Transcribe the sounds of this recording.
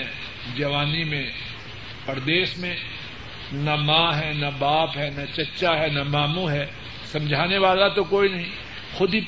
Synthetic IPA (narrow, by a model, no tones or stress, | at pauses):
ɛ̃ | d͡ʒɐʋaːnimẽ | pɐɾd̪eːʃmẽ | nɐmãːɦɛnabaːpɦɛnat͡ʃɐtːʃaɦɛnɐmaːmũɦɛː | sɐ̃md͡ʒʱaːneʋaːlat̪okoːinɐɦĩ | xʊd̪ʱi